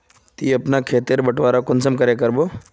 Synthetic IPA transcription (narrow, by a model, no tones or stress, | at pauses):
t̪iːɐpnakʰeːt̪ɪɾbɐʈʋaːɾakʊnsəmkɐɾekɐɾboː